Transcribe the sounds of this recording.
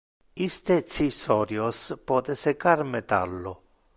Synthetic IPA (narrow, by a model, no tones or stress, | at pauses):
ist̪et̪sisɔɾjospɔːt̪esekaɾmɛt̪a̰lːʊ